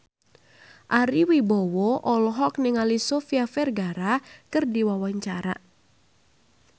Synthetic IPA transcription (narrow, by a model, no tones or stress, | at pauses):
ʔaɾiwibowɔʔɔlɔɦɔknɪŋalisofiafɛrɡaɾakɨrdiwawaɲt͡ʃaɾa̰